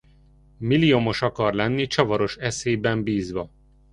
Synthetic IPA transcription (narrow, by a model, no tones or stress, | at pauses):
milijomo̞ʃɒkɒrlɛnːit͡ʃɒvɒɾo̞ʃɛseːjbɛmbiːzʋɒ